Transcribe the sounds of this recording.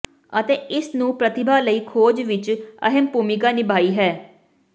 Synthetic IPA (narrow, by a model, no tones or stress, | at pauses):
ət̪eːɪsnũːpɾət̪ɪbʱaːləiːkʰoːd͡ʒʋɪt͡ʃə̰ɦəmpuːmɪkaːnɪbaːiːɦɛː